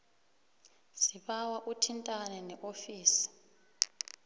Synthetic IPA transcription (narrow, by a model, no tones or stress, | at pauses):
siɓawaʔutʰintʼanɛnɛʔofiːsi̥